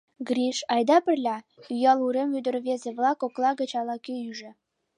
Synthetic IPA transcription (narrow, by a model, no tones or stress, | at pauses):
ɡriʃɑjd̪ɑpɘ̆rlʲɑ | yjɑlˠuɾemyd̪ə̆rβezĕβlˠɑkoklˠɑɡə̆t͡ɕɑlˠɑkeyʒĕ